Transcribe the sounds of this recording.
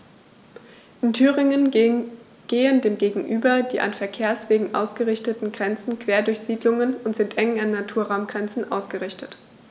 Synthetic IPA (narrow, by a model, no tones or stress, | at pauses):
ʔɪntʰyːʁɪŋən | ɡ̥eːəndeːmɡeːɡŋ̩ʔyːbɐdiːʔa̰nfɛɐkʰeːɐsv̥eːɡŋ̩ʔa̰ʊsɡ̥əʁɪçtətn̩ɡʁɛnt͡sn̩kʰv̥eːɐdʊɐçz̥iːdlʊŋənʊntz̥ɪntʔɛŋanːatʰuːɐʁaʊmɡ̥ʁɛnt͡sn̩ʔa̰ʊsɡ̥əʁɪçtət